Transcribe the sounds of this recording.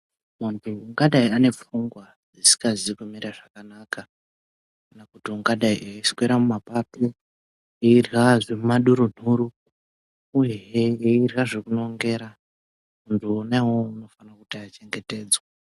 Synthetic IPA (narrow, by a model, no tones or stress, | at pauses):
muntʰuːŋɡaɗaiane̞p͡fuŋɡwa | d͡zisi̥kaziikumiɾaʐakanaːka | kkanakutiuŋɡaɗaiʔeisi̥kweɾamumapati | eirɣaʐemumaɗuɾun̤uɾu | ujeeeirɣaʐekuno̞ŋɡe̞ːɾa | muntʰuːnawouno̞fanakutaːt͡ʃe̞ŋɡe̞te̞ːd͡zwa